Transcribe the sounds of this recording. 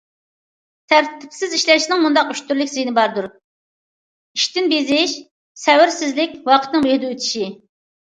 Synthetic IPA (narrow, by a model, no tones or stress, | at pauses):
t̪ʰæɾt̪ʰɪ̥psɪziʃlɛʃinɪŋmund̪ɑqyʃt̪ʰyɾlɪkʲsejinɪbɑɾd̪uɾ | iʃt̪ɪnbizɪʃ | sɛwɪɾsɪzlɪkʲwɑqʰət̪nɨŋbehɪd̪ɛøt̪ʰi̥ʃi